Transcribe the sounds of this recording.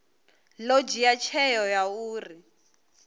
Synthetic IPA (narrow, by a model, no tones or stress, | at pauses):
lod͡ʒijat͡ʃʰɛjɔjauːri